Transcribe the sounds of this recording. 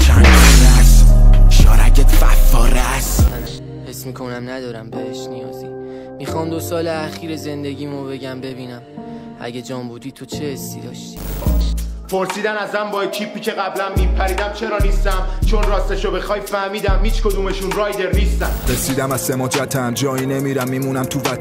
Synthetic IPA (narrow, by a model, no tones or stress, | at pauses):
t͡ʃʰænd̪ɾæsʃɒːɾæ̰cʰet̪fæ̰fɒ̰ːɾæs | hesmiːkʰonæmnæd̪ɒːɾæmbeheʃnijɒ̰ːzi | mixɒmd̪osɒːleæxiːɾezend̪e̞ɡiːmobe̞ɡæmbe̞biːnæm | æ̰ɡed͡ʒɒːmbud̪iːt̪ʰot͡ʃʰehesːid̪ɒ̰ːʃt̪i̥ | pʰoɾsiːd̪ænæzmæmbɒːecʰipʰːiːcʰe̞ɣæblæmːipʰæɾiːd̪æmt͡ʃʰe̞ɾɒːnist̪æmt͡ʃʰo̞nrɒːst̪eʃobexɒːjfæhmiːd̪æmhiːt͡ʃkʰod̪uːme̞ʃunrɒːjd̪e̞ɾniːst̪æ̰mɾesiːd̪æmæzsemɒːd͡ʒæt̪ʰæmd͡ʒɒːinemiːɾæmːiːmunæmt̪ʰuvæt